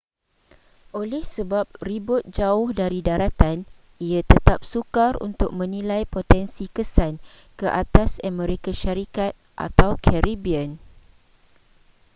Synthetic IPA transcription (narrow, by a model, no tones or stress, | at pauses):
ʔolɛhsəbap̚ribʊt̪̚d͡ʒaʊhdaɾidaɾat̪an | iat̪ət̪ap̚sukarṵnt̪ʊk̚mə̃nilajpot̪ɛnsikəsan | kəʔat̪asamɛ̃ɾikaʃaɾikat̪̚ʔa̰t̪awkʰɛɾibian